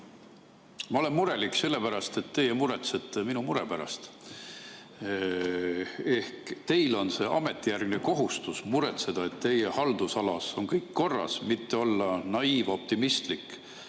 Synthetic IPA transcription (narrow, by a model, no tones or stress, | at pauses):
mɑole̞nmuɾe̞likːˑse̞lːe̞pæɾɑst̪e̞t̪ːe̞jemuɾet̪set̪ːˑeminumuɾepæɾɑ̰st̪ | e̞hkt̪e̞jlo̞nse̞ːʔɑ̰me̞t̪ːˑijærɡ̥neko̞ɦust̪usmuɾet̪se̞d̪̥ɑe̞t̪t̪e̞jehɑld̪usɑlɑso̞nkɤjkːo̞rːɑ̰smit̪ːe̞olːɑnɑiːvo̞p̚t̪imist̪likː